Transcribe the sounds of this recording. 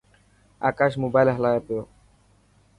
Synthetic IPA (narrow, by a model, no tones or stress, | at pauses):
a̰kaʃ̬mobajlaɦlajapeo